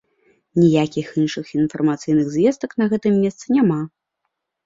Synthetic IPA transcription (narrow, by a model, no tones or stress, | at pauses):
nʲijakʲixinʂɨxinfɐrmat̪sɨjnɨɣzvʲɛst̪ɐknɐɣɛt̪ɨmːʲɛst̪sɨnʲama